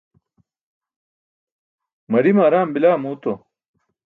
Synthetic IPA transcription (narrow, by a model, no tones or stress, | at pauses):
mɐɾimaːɾaːmbilaːmuːt̪o